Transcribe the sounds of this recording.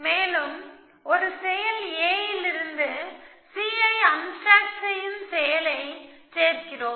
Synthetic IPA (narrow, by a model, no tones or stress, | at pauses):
meːlɯm | ɔɾɯsɛjɐleːjɪlɪɾɯnd̪ɯ | siːɐɪɐnsɾaːksɐjɪnsɛjɐlɐɪseːɾkɪɾoːm